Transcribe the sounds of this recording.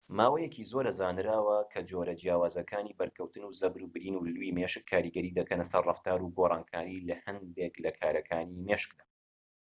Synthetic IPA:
maːwɐjɛkʰizoɾɐzaːnɾaːwɐkʰɐd͡ʒoɾɐd͡ʒjaːwaːzɐkʰaːniːbɐɾkʰɐwt̪ɨnuːzɐbɾuːbɨɾiːnuluwiːmeʃɨkʰːaːɾiːɡɐɾiːd̪ɐkɐnɐsɐrrɑft̪aːɾuɡorˤɑːnkʰaːɾilɐhɐnd̪eklɐkʰaːɾɐkʰaːnimeːʃɨ̥k̚d̪a

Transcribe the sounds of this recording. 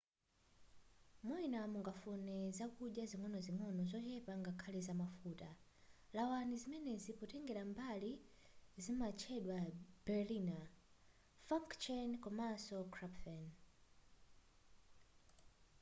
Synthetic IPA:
mɔinamuŋɡafunɛzakuɗjaziŋwɔnɔziŋɔnɔzɔt͡ʃɛpaŋɡakʰalɛzamafuːta | lawanizimɛnɛzipɔtɛŋɡɛɾambali | zimat͡ʃʰɛɗwab̥ɛlina | faŋkt͡ʃɛnkɔmasɔkʰɾapfɛn

